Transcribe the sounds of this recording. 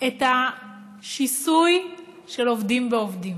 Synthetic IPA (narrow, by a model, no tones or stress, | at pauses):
eta | ʃisuj | ʃelovdimveovdim